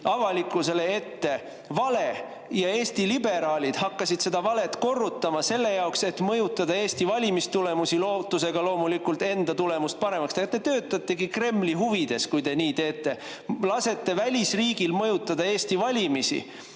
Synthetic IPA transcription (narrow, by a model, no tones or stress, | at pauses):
ɑvɑlikːˑuse̞lee̞t̪ːe̞ | vɑle̞ | jɑe̞ːst̪ilibe̞ɾɑːlʲid̪̥hɑkːɑsid̪̥se̞d̪̥ɑvɑle̞t̪ko̞rːut̪ːˑɑmɑse̞lːe̞jɑokse̞t̪mɤ̞jut̪ːˑɑd̪ɑe̞ːst̪ivɑlʲimist̪ule̞musiloːt̪ːˑuse̞ɡ̥ɑlo̞ːmulikːult̪e̞nd̪̥ɑt̪ule̞must̪̚pɑɾe̞mɑkst̪eɡɑt̪ːet̪ø̞ːt̪ːˑɑt̪ˑːe̞ɡikre̞mːliɦuvid̪̥e̞skujd̪e̞niːt̪e̞ːt̪ːˑe̞ | lɑse̞t̪ːe̞vælʲisriːɡilmɤjut̪ˑːɑd̪̥ɑe̞ːst̪ivɑlʲimisḭ